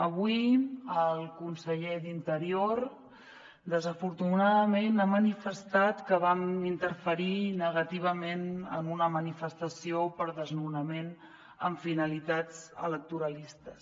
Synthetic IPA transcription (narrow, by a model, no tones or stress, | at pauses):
əβuiəlˠkunsəʎed̪int̪əɾioɾ | d̪əzəfuɾt̪unaðəmenamənifəst̪at̪kəβamint̪əɾfəɾinəɣət̪iβ̞əmenə̰nunəmənifəst̪əsiopəɾðəznunəmen | ə̰ɱfinəlit̪ad͡zə̰lək̚t̪uɾəlist̪əs